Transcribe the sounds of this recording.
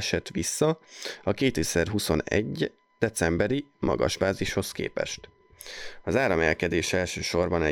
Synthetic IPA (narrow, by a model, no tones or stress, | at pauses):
ʃɛt̪ʋisːɒɒkeːt̪isɛrɦuso̞nɛ̰ɟ | d̪̥ɛt̪sɛmbɛɾimʔɒ̰ɡɒ̰ʒbaːziʃho̞skḛːpɛ̰ʃt̪ | ɒzaːɾɒmɛlkɛd̪eːʃɛlʃøːʃo̞rbɒnɛ